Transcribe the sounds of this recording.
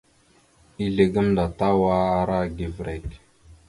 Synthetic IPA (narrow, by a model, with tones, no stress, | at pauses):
i˦ɮe˨ɡə˦mda˨ta˦wa˦a˨ɾa˦ɡe˨vɾe˨k